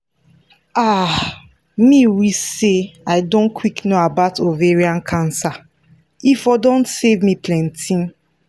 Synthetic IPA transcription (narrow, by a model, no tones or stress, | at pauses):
a | miwiseaɪdõnkʰwiknoabaʊtʰoveɹiãnkʰãnsa | ifɔdõntsevmiplɛ̃ntʰĩn